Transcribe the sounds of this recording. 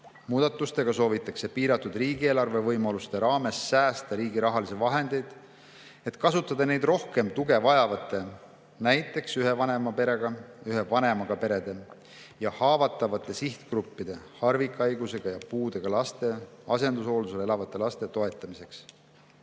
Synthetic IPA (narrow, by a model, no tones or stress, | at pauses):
muːd̪̥ɑt̪ːˑust̪e̞ɡ̥ɑso̞ːvit̪ːˑɑkse̞piːɾɑt̪ːud̪riːɡieːlɑrve̞vɤjmɑlust̪e̞ɾɑːme̞sːæːst̪ɑɾiːɡiɾɑɦɑlisevɑɦe̞nd̪̥e̞jd̪̥ | e̞t̪kɑsut̪ːˑɑd̪ɑne̞jd̪ro̞hke̞mt̪uɡ̥e̞vɑjɑvɑt̪ːˑe̞ | næjt̪ːˑe̞ksyɦe̞vɑne̞mɑpe̞ɾe̞ɡ̥ɑyɦe̞vɑne̞mɑɡ̥ɑpe̞ɾe̞d̪̥e̞ | jɑhɑːvɑt̪ːˑɑvɑt̪ːˑe̞siht̪krupːid̪̥e̞hɑrvikːˑɑjɡuse̞ɡ̥ɑjɑpuːd̪̥e̞ɡ̥ɑlɑst̪e̞ɑse̞nd̪uso̞ːld̪uselelɑvɑt̪ːˑe̞lɑst̪e̞t̪o̞e̞t̪ːˑɑmise̞ks